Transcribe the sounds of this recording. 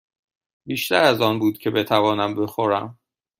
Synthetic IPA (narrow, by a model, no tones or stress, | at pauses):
biːʃt̪æɾæzɒːnbuːd̪̚cʰe̞be̞t̪ʰævɒːnæmbe̞xoɾæ̰m